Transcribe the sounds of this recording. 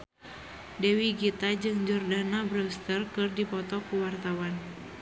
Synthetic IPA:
dɛwiɡit̪ad͡ʒɨŋd͡ʒɔrdanabɾɛst̪ərkɨrdipɔt̪ɔkuwart̪awan

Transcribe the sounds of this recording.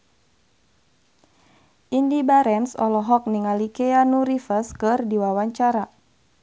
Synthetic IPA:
ʔindibaɾɛnsɔlɔɦɔk̚niŋalikɛanuɾifəskɨrdiwawaɲt͡ʃaɾa

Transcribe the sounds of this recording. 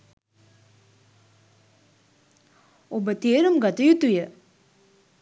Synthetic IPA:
obət̪eɾəmɡat̪əjut̪ːujəʔ

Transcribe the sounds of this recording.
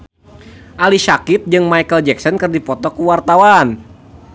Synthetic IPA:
ʔalisakɪt̪̚d͡ʒɨŋmajkəld͡ʒɛk̚sɔnkɨrdipɔt̪ɔkuwart̪awan

